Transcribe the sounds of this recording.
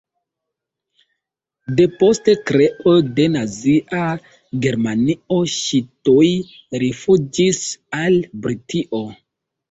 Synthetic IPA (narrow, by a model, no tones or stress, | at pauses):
de̞po̞ste̞kɾe̞ʔode̞naziʔa | ɡe̞ɾmanio̞ʃitoj | ɾifud͡ʒisalbɾitiʔo̞